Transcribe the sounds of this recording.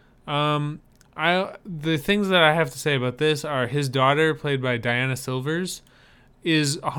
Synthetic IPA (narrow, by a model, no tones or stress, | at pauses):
ʌ̃m | ʔaɪðɨθɪ̃ŋzðɨɾaɪɦæftə̥seɪɨbaʊt̪̚ðɪsə˞ɪzdɔɾə˞pʰl̥eɪd̚baɪdaɪænɨsɪlˠvə˞z | ɪzh